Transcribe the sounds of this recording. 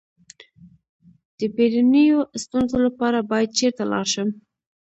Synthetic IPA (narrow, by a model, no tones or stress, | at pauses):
d̪̥əbeɾanəjost̪unzolapɑɾabɑjad̪̚t͡ʃeɾt̪alɑ̰ɾʃəm